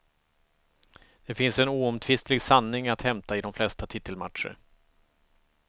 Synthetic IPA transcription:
d̪̥ɛfɪnsɛnuːɔmt̪ʰvɪst̪lɪɡsanːɪŋat̪hɛmt̪aɪd̪ɔmflɛst̪at̪ʰɪt̪ːəlma̰ʈ̪ʂə̰ɾ

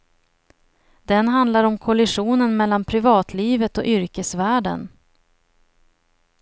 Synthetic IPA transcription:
d̪ɛnɦand̪laɾɔmkʰɔlɪʂuːnənmɛlːanpʰɾɪvɑːt̪ʰliːvət̪ɔʔʏɾkəsvæːɖə̰n

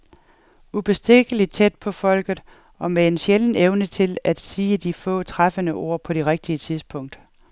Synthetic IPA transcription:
ub̥e̝sd̥eɡ̥əlid̥̚t͡sʰed̥̚pʰɒ̽fɒ̽l̰ɡ̥ð̞̩ˠ | ɒ̽mee̝nɕeln̩eʊnət͡sʰe̝læd̥siːəd̥ifɔ̰̽ːt͡sʰʁafənəʔo̝̰ɐ̰pʰɒ̽ɾ̥e̝ʁeɡ̥̚d̥iət͡sʰið̞ˠsb̥ʰɔ̽ŋ̰d̥

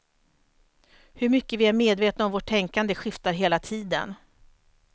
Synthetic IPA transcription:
hɵɾmʏkːəvɪæɾmeːd̪veːt̪naɔmvoːʈʰːɛŋkand̪əɧɪft̪aɾɦeːlat̪ʰiːd̪ə̰n

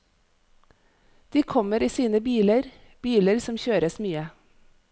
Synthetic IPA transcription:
d̪̥iːkʰɔməɾiːsiːnəbiːləɾ | b̥iːləɾsɔmçøːɾəsmyːə

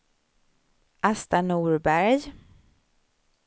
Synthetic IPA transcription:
ʔast̪anuːɾbæɾj

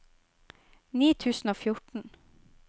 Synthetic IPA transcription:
niːt̪ʰʉːsn̩oːfjʊʈɳ̩

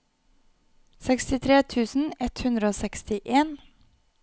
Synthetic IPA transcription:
sɛkst̪ɪt̪ʰɾeːt̪ʰʉːsn̩ɛt̪hʉnd̪ɾəoːsɛkst̪ɪʔeːn

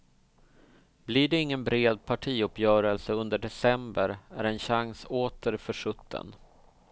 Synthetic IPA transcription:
blɪɖɛɪŋːənbɾeːd̪̚pʰaʈʰiːɵpjœːɾəlsəɵnd̪əɖɛsɛmbəɾæ̰ɾɛnɕaŋsoːt̪ʰəɾfœʂɵt̪ʰːə̰n

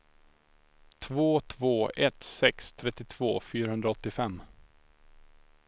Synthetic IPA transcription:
t̪ʰvoːt̪ʰvoːɛt̪sɛkst̪ʰɾɛt̪ːɪt̪ʰv̥oːfyːɾahɵnd̪ɾaɔt̪ːɪfɛmː

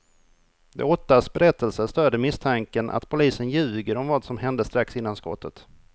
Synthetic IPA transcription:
d̪ɛ̰ɔt̪ːasbɛɾɛt̪ʰːəlsəst̪øːd̪əmɪst̪ʰaŋkənʔa̰t̪pʰʊliːsənjʉ̟ːɡəɾɔmvaːd̪sɔmɦɛnd̪əst̪ɾaksɪnːanskɔ̰t̪ʰːət̪

